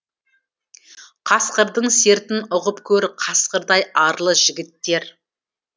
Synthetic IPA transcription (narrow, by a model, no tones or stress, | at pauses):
qʰɑsqəɾd̪əɴse̞ɾt̪ɪnʊʁəpkʲʰɵɾɪqʰɑsqəɾd̪ɑjɑɾlˠəʒ̥ɪɡʲɪt̪ːe̞ɾ